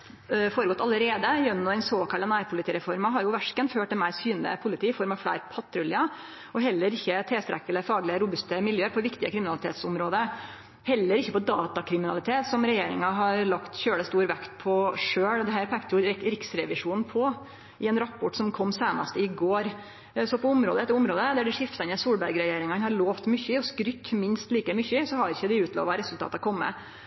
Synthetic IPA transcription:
foːɾəɡɔt̪ːɑləɾeːd̪əjœnːɔɛɪnsoːkɑlənæːɾpʰʊlɪt̪iːɾɛfɔɾmɑɦɑɾjʊʋæʂkənføːʈ̚d̪ɛnmæɪɾsyːnə̰pʰʊlɪt̪iːɪfɔɾmɑʋflæ̰ɪɾpʰɑt̪ʰɾʉljɑ | ʔɔɦɛlːəɾɪçːət̪ʰɛst̪ɾɛkːələfɑːɡlɪəɾʊbʉst̪əmɪljøːəɾpʰɔʋɪkt̪ɪəkʰɾɪmɪnɑlɪt̪ʰḛːt̪sʊmɾoːd̪ə | hɛlːəɾɪçːəpɔd̪ɑːt̪ɑkʰɾɪmɪnɑlɪt̪ʰeːt̪sɔmɾɛjeːɾɪŋɑɦɑɾɭɑkt̪çøːɽəst̪uːɾʋɛkt̪pʰɔʂøːɽd̪ɛhæːɾpʰækt̪əjʊɾɪksɾɛʋɪʂuːnn̩pʰɔ | ɪɛnɾɑpːɔʈsɔmkʰɔmːseːnɑ̰st̪əɪɡoːɾ | sɔpʰɔʊmɾo̰ːd̪əɛt̪ːəɾʊmɾoːd̪əd̪æɖɛʂɪft̪ɑnəsuːɽbæɾɡɾɛjeːɾɪŋɑnhɑɾɭoːʋt̪mʏçːəɔskɾʏt̪ːmɪnst̪liːkəmʏçəsɔhɑɾɪçəd̪ɪʉːt̪lo̰ːʋɑɾɛsʉlt̪ɑ̰ːt̪ɑkʰɔmːə̰

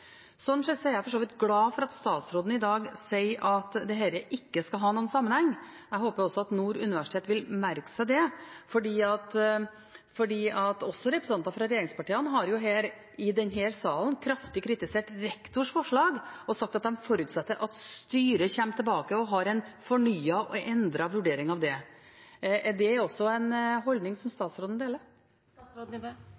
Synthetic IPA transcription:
sɔnːʂɛsɔɛɾjæɪfɔʂoːʋɪt̪ɡlɑːfɔɾɑt̪st̪ɑːt̪sɾoːd̪nəɪd̪ɑːɡsæɪʔɑt̪d̪ɛɦæɪɾəʔɪkːəskɑlɦɑːnuːənsɑmːənhɛŋː | æɪɦoːpəjʊɔsɔɑt̪nuːɾʉnɪʋæʂɪ̥t̪ʰeːt̪ʋɪlmæɾksəd̪ɛfɔɖiːɑt̪ | fɔɖiːɑt̪ɔsːɔɾɛpɾəsn̩ɑnt̪nɑfɾɑɾɛjeːɾɪŋspɑʈiːənɦɑɾjʊɦeːɾ | ɪd̪ɛnɦɛːɾsɑːlən̩kʰɾɑft̪ɪkʰɾɪt̪ɪseːʈɾɛkt̪ʊʂfɔʂɭɑːɡɔsɑk̚t̪ɑt̪̚d̪ɛmfɔɾʉːt̪sɛt̪ːəɾʔɑt̪st̪yːɾəçɛmːt̪ʰɛlbɑːkəɔɦɑɾɛɪnfɔɳyːɑʔɔʔɛnd̪ɾɑʋʉɖeːɾɪŋɑʋd̪ɛ | d̪ɛɾɔsːɔæɪnɦɔld̪nɪŋsɔmst̪ɑːt̪sɾoːd̪n̩d̪eːləɾ

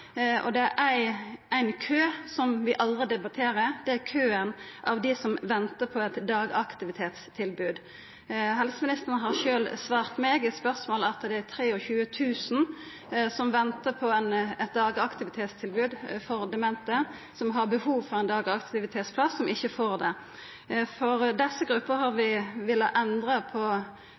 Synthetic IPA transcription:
ʔɔ̰d̪ɛæɾʔæɪæɪnkʰøːsɔmʋɪʔɑld̪ʁəd̪ɛbɑt̪ʰeːɾəd̪ɛækʰøːənʔɑ̰ʋd̪ɪsɔmʋɛnt̪əpʰɔɛt̪d̪ɑːɡɑkt̪ɪʋɪt̪ʰeːt̪st̪ʰɪlbʉːd̪ | ɦɛlsəmɪnɪst̪əʁənəɦɑɾʃøːlsʋɑːʁt̪meːɡəspœɾsmoːlɑt̪d̪ɛæt̪ʰɾeːɔçʉːət̪ʰʉːsn̩ | sɔmʋɛnt̪əpʰɔɛnɛt̪̚d̪ɑːɡɑkt̪ɪʋɪt̪ʰeːt̪st̪ʰɪlbʉːd̪fɔɾd̪ɛmɛnt̪ə | sɔmɦɑʁbəhuːʋfɔʁɛnd̪ɑːɡɑkt̪ɪʋɪt̪ʰeːt̪spʰlɑsːɔmɪçːəfoːʁd̪ɛ | fɔʁd̪ɛsːəɡɾʉpːəɾhɑɾʋɪʋɪlːɑʔɛnd̪ʁəpʰɔ

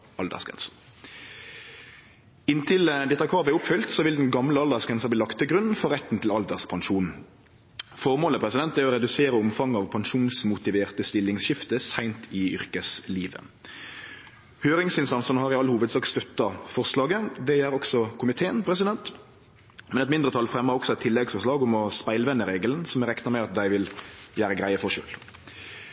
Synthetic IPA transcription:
ʔɑld̪æ̰ʁsɡɛ̰ns | ɪnt̪ʰɪld̪ɛt̪ːɑkʰɑːʋəʊpfʏlt̪sɔʋɪld̪ɛnɡɑmləɑld̪æʁsɡʁɛnsɑbliːlɑkt̪ʰːɪɡʁʉn̩ːfɔʁɾɛt̪ːn̩t̪ʰɪlɑld̪əʁspʰɑŋʃuːn | fɔʁmoːləpʰʁɛsɪd̪ɛnt̪d̪æʁɔɾɛd̪ʉseːɾəʊmfɑŋːɑːʋpʰɑnʂuːnsmʊt̪ɪʋeːʁt̪əst̪ɪlːɪŋsɕɪft̪əsæɪnt̪ʰɪʏ̰ʁkəsliːʋə̰ | høːɾɪŋsɪnst̪ɑnsənhɑʁɪɑlːəhuːʋəd̪sɑːkst̪œt̪ːɑfɔʁslɑːɡəd̪ɛæɾɔksɔkʰʊmɪt̪ʰeːənpʰɾɛsɪd̪ɛnt̪ | mɛnɛt̪mɪnd̪ʁət̪ʰɑlːfɾɛmːəɾɔksɔɛt̪ʰɪlːɛɡsfɔʁʂɭɑːɡʊmɔspæɪlʋɛnːəɾeːɡələnsɔmɾɛkt̪əʁmɛɑt̪̚d̪æɪʋɪljæːɾəɡɾæɪəfɔʁʃø̰ːl

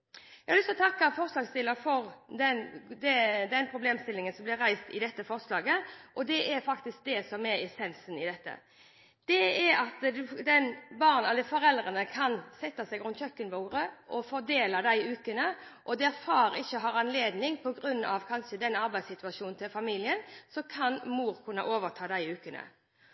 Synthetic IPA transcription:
jæɪhɑlʏst̪ɔt̪ʰɑkːɑfɔɾslɑːɡst̪ɪlːəɾfɔɾd̪ɛnd̪ɛd̪ɛnpʰɾʊbleːmst̪ɪlɪŋənsɔmblɪɾæɪst̪ɪd̪ɛt̪ːəfɔɾslɑːɡəʔɔd̪ɛʔæɾfɑkt̪ɪsk̚d̪ɛsɔmɛɾɛsɛnsn̩ɪd̪ɛt̪ːə̰ | d̪̥ɛæɾɑt̪d̪ʉd̪ɛnbɑʁnɛlːəfɔɾɛld̪ɾənəkʰɑnsɛt̪ːɑsæɪɡʁʉnt̪çʰœkːənʋoːɾəʔɔfɔɾd̪eːlɑd̪æɪʉːkənəʔɔd̪ɛɾfɑːɾɪçːəɦɑːɾɑnleːd̪nɪŋpʰɔɡɾʉnːɑ̰ʋkʰɑnʃəd̪ɛnɑɾbæɪsɪt̪ʉɑʃuːnnt̪ʰɪlfɑmiːlɪənsɔkʰɑnmuːɾkʰʉnːɑ̰ʔoːʋəʁt̪ʰɑːd̪æɪʉːkənə̰

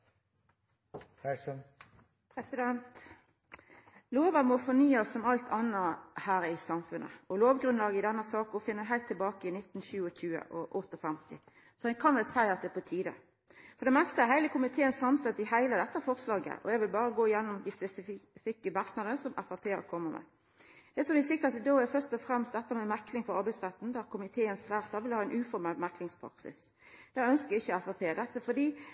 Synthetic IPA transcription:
æsən | pʰɾɛsɪd̪ɛnt̪ | loːʋɑɾmɔfɔnyːɑsːɔmɑlt̪ʰɑnːəhæːɾɪsɑmfʉnʔə̰ɔloːʋɡʁʉnlɑːɡəɪd̪ɛnːəsɑːkɔfɪnːəɦæɪlt̪ʰːɪlbɑːkəɪnɪt̪ːn̩ɕʉːəçʉːə̰ʔɔʔɔt̪ːɔfɛmt̪ɪ̰ | sɔɛnkʰɑnʋɛlsæɪɑt̪̚d̪ɛpɔt̪ʰiːd̪ə̰ | fɔʁd̪ɛmɛst̪əæɾɦæɪləkʰʊmɪt̪ʰeːənsɑmst̪ɛt̪ːɪhæɪləd̪ɛt̪ːəæfɔʁslɑːɡə̰ʔɔ̰ɛɡʋɪlbɑːɾəɡoːɪjɛnːʊmd̪iːspɛsɪfɪkːəmɑʁknɑd̪əəsɔmʔɛfɑpʰeːə̰ɾkʰɔmːəmʔɛ̰ | d̪̥ɛsɔmʋɪsɪkːəət̪ɪd̪oːæfœʁst̪ɔfɾɛmst̪d̪ɛt̪ːəmɛmæklɪŋfɔɾɑɾbæɪsʁɛt̪ːn̩d̪æɾkʰʊmɪt̪ʰeːənsflæːʁt̪ːɑʋɪlhɑːɪnʔʉːfɔɾmɛlmæklɪŋspʰɾɑ̰ksɪ̰s | d̪̥æœnskəɪçːəɛfɑpʰeːd̪ɛt̪ːəfɔd̪iː

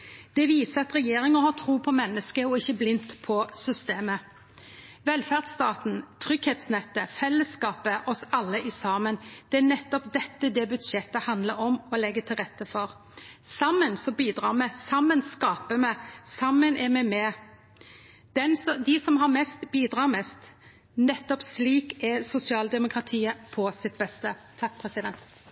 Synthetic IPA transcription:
d̪̥ɛʋiːsəɑt̪ʁɛjeːɾɪŋəhɑt̪ʰɾuːpʰɔmɛnːəskəɔɪçːəblɪnt̪pʰɔsʏst̪eːmə | ʋɛlfæʁd̪st̪ɑːt̪n̩t̪ʰʁʏɡheːt̪snɛt̪ːəfɛlːəskɑːpəʔɔsɑlːəʔɪsɑːmənd̪̥ɛænɛt̪ːɔpd̪ɛt̪ːəd̪ɛbʉd̪ʃɛt̪ːəhɑnd̪ləɾɔmɔlɛɡːət̪ʰɪlʁɛt̪ːəfɔʁ | sɑmːənsɔbiːd̪ɾɑːɾmɛsɑmːənskɑːpəmɛsɑmːənʔɛɾmɛmɛ | d̪̥ɛnsd̪ɪsɔmɦɑɾmɛst̪biːd̪ɾɑːʁmɛst̪ | nɛt̪ːɔpsliːkɛɾsʊsɪɑːld̪ɛmʊkʰɾɑt̪ʰiːəpʰɔsɪt̪̚bɛst̪ət̪ʰɑk̚pʰɾɛsɪd̪ɛnt̪

